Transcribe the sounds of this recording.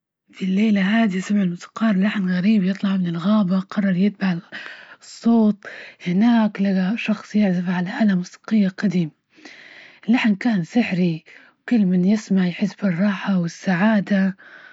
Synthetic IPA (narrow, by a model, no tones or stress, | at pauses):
d̪ilːeːlaɦaːd̪isamʕɪlmʊt̪ḁqʰɑːɾˤlaħnɣaɾiːbjɨt̪ˤlɑʕmɪnɪlɣaːbaqɑrˤːɑɾˤjɪt̪̚baʕ | sˤːoːt̪̚ˤhɪnaːklaaʃɑxsˤjɪʕzɪfʕalaʔalamsɑ̥qɪjːaqad̪iːm | ɪlːaħnkaːnsɪħɾi | wkʊlːmɪnjɪsmaʕjħɪsbɨrˤːɑːħawɪsːaʕaːd̪a